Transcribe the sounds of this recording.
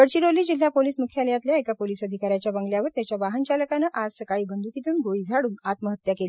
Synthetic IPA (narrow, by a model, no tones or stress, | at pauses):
kəɽt͡ɕiɽoliːd͡ʑil̤apoliːsmukʰjaljat̪ljaekapoliːsəd̪ʱikaɾjat͡ɕjabəŋɡljaʋəɾt̪jat͡ɕjaʋaɦənt͡ɕaləkanəʔad͡zsəkaɭiːbənd̪ukit̪uːnɡʱoɭiːd͡zʱaɽuːnat̪məɦət̪ːjakeli